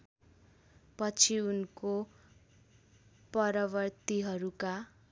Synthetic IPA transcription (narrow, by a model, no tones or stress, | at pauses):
pʌt͡sʰiunko | pʌɾʌβʌrt̪iɦʌɾuka